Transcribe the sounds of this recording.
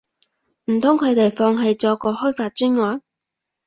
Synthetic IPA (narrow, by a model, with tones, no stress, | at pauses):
m̩˨˩t̪ʰʊ˥ŋkʰɵ˨˧ɥt̪e˨jfɔː˧ŋɦɐ˨jt͡sɔː˧kɔː˧hɔː˥faː˧t̚t͡ʃyː˥nŋɔː˨˥n